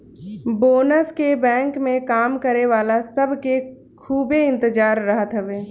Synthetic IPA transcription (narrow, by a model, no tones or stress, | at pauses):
boːnəskebɛ̃ːŋkmẽkaːmkəɾeʋaːlasəbʱke | kʰuːbeɪ̃nt̪əd͡ʒaːɾːəɦət̪ɦɛʋeː